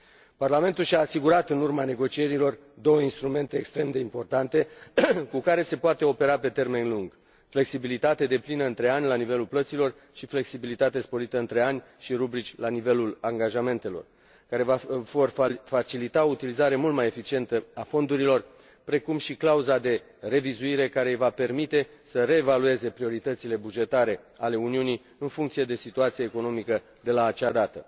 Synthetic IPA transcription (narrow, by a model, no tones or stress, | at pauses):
parlame̞nt̪ulʃʲaːsiɡuɾat̪ɨnurmane̞ɡo̞t͡ʃie̞ɾilo̞r | d̪o̞wəinst̪ɾume̞nt̪e̞ːkst̪ɾe̞md̪e̞impo̞rt̪ant̪e̞kukaɾe̞se̞poat̪e̞o̞pe̞ɾape̞t̪e̞rme̞nluŋɡ | fle̞ksibilit̪at̪e̞d̪e̞plinəɨnt̪ɾe̞anʲlanive̞lulplət̪silo̞r | ʃifle̞ksibilit̪at̪e̞spo̞ɾit̪əɨnt̪ɾe̞anʲ | ʃiɾubɾit͡ʃʲlanive̞lulaŋɡaʒame̞nt̪e̞lo̞̰r | kaɾe̞vavorfat͡ʃilit̪aout̪ilizaɾe̞mult̪maje̞fit͡ʃie̞nt̪əafo̞nd̪uɾilo̞r | pɾe̞kumʃiklauzad̪e̞ | re̞vizuiɾe̞kaɾe̞jvape̞rmit̪e̞ | səre̞ːvalue̞ze̞pɾio̞ɾit̪ət̪sile̞bud͡ʒe̞t̪aɾe̞ale̞uniuni | ɨnfuŋkt̪sije̞d̪e̞sit̪uat̪sieːko̞no̞mikə | d̪e̞laːt͡ʃad̪at̪ə